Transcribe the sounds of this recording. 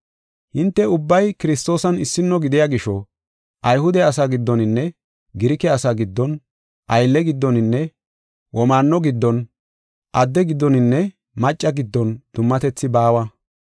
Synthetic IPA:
hɪnt̪ːɛʊbːɐjkɪɾɪs̬t̪o̞ːsɐnɪsːɪnːɔɡɪd̪ɪjaɡɪʃɔ | ʔɐjhʊd̪ɛɐsaɡɪd̪ːɔnɪnːɛ | ɡɪɾɪkɛɐsaɡɪd̪ːɔn | ʔɐjlːɛɡɪd̪ːɔnɪnːɛ | wʔɔmaːnːɔɡɪd̪ːɔn | ʔɐd̪ːɛɡɪd̪ːɔnɪnːɛ | mɐt͡ʃʼːɐɡɪd̪ːɔnd̪̥ʊmːɐt̪ɛt͡sːɪbaːwɐ

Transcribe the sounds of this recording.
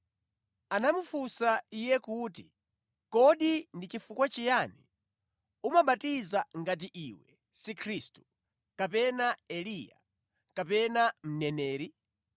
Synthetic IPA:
anamufusaijɛkuːti̥ | kɔɗindit͡ʃifukwat͡ʃijaːni | umaɓatizaŋɡat̬iʔiːwɛ | sikʰɾistu̥ | kapɛnaɛlija̰ | kapɛnam̩nɛnɛːɾi

